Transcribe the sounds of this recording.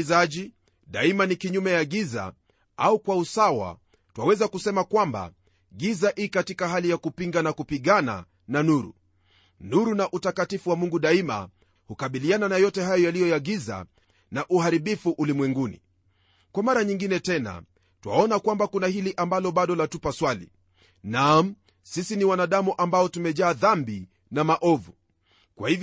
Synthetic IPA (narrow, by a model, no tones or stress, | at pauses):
zaʄi | ɗaimanikiɲumɛjaɡiza̰ | aukwausawa̰ | twawɛzakusɛmakwamba̰ | ɡizaʔikatikaɦalijakupiŋɡanakupiɠana̰ | nanuɾṵ | nuɾunaʔutakatifuwamuŋɡuɗaima̰ | hukaɓiliananajɔtɛɦajɔjalijɔjaɡiza̰ | naʔuhaɾiɓifuʔulimwɛŋɡunḭ | kwamaɾaɲiŋɡinɛtɛna̰ | tuwa̰ɔnakwambakunahiliʔambalɔɓaɗɔlatupaswalḭ | nam̩ | sisiniwanaɗamuʔambaɔtumɛʄaːðambi | namaʔɔvu | kwa̰hivj